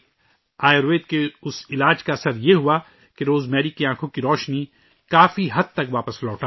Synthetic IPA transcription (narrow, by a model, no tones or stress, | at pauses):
aːjɾʋeːd̪̚keʊsɪlaːd͡ʒkaɐsəɾjeɦua | keɾoːzmɛːɾikeãːkʰõkiɾɔːʃni | kaːfiɦɐd̪̚t̪ɐkʋaːpəslɔːʈaː